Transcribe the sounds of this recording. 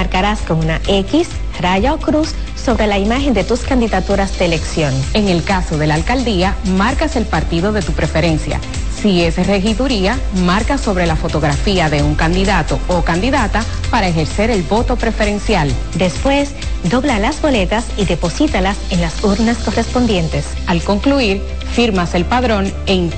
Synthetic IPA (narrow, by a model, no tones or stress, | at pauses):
maɾkaɾaskoŋunaʔekis | raʝaokɾusː | o̞βɾe̞laimaxe̞nd̪e̞t̪uskand̪iðat̪uɾazd̪eːle̞ksjo̞ne̞ŋe̞lkaso̞ðe̞laːlkald̪iamaɾkase̞lpaɾt̪iðo̞ðe̞t̪upɾe̞fe̞ɾe̞nsja̰ | sie̞sre̞xiðuɾia | maɾkaso̞βɾe̞lafo̞t̪o̞ɣɾafiaðe̞uŋkand̪iðat̪o̞okand̪iðat̪a | paɾaexe̞ɾse̞ɾe̞lbo̞t̪o̞pɾe̞fe̞ɾe̞nsjal | d̪e̞spwe̞s | d̪o̞βlalazbo̞le̞t̪asiðe̞po̞sit̪alasenlasuɾnasko̞re̞spo̞nd̪je̞nt̪es | alko̞ŋkluiɾ | fiɾmase̞lpaðɾo̞ŋ | eŋ